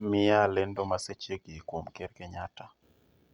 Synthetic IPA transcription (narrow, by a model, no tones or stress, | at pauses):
mɪalɛndɔmaset͡ʃeɡikwomkɛrkɛɲata